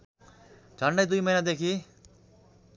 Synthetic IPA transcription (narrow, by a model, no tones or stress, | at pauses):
d͡ʒʱʌɳɖʌjd̪ujmʌinad̪ekʰi